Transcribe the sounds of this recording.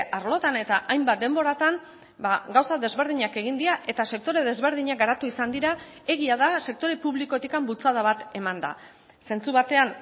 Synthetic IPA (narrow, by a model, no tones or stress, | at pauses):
ʔaɾlo̞t̪ane̞t̪aʔajmbat̪̚d̪e̞mbo̞ɾat̪an | baɡawsaðe̞zβe̞ɾð̞iɲake̞ɣ̞ind̪iaʔe̞t̪ase̞k̚t̪o̞ɾe̞ðe̞zβe̞ɾð̞iɲaɡaɾat̪uisand̪iɾae̞ɣiaðase̞k̚t̪o̞ɾe̞puβliko̞t̪ikambult͡saðaβat̪e̞mand̪a̰ | se̞nt͡suβat̪e̞an